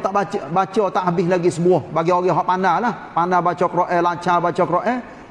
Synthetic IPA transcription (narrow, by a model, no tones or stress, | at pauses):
t̪aʔbat͡ʃbat͡ʃɔt̪aʔɦabɪslaɡisəbuɔhbaɡiɔɣɛɦɔʔpanalahpanabat͡ʃɔkɾɔʔɛlat͡ʃabat͡ʃɔkɾɔʔɛ